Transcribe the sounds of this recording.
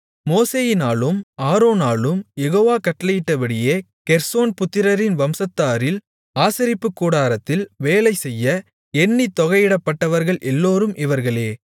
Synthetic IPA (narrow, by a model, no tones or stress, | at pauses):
moːseːjɪnaːɭɯmaːɾoːnaːɭɯmjɛɣoːʋaːkɐʈːlɐjɪʈːɐʋɐɽɪjeː | kɛɾsoːnpʊt̪ːɪɾɐɾɪnʋɐmsɐt̪ːaːɾɪl | aːsɪɾɪpːɯkːuːɽaːɾɐt̪ːɪlʋeːlɐɪsɛjːɐ | ɛɳːit̪ɔɣɐɪɪɽɐpːɐʈːɐʋɐɾɣɐɭʔɛlːoːɾɯmʔɪʋɐɾɣɐɭeː